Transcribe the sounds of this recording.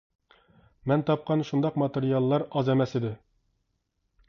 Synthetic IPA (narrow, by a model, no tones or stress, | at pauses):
mɛnt̪ʰɑp̚qɑnʃund̪ɑqmɑt̪eɾijɑlˠːɑɾɑzɛmɛsid̪ɪ